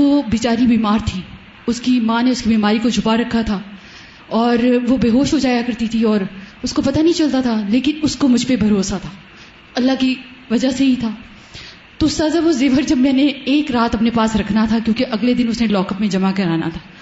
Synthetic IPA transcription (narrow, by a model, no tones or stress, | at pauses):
obiːt͡ʃaːɾibiːmaːɾt̪ʰiː | ʊskimãːneʊskibiːmaːɾikod͡ʒʱʊpaɾɐkʰːat̪ʰaː | ɔːɾʋobeːɦoːʃɦod͡ʒaːjakɐɾt̪it̪ʰiɔːɾʊskopɐt̪anɐɦĩt͡ʃɐlt̪at̪ʰaleːkɪnʊskomʊd͡ʒʱpebʱɐɾoːsat̪ʰaː | ɐlːaki | ʋɐd͡ʒaɦseɦit̪ʰaː | t̪osaːzaʋozeːʋəɾd͡ʒɐbmɛ̃ːneeːkɾaːt̪ɐpnepaːsɾɐkʰnat̪ʰakjõːkeʔɐɡled̪ɪnʊsnẽlɔːkəpmẽd͡ʒɐmakɐɾaːna̰t̪ʰaː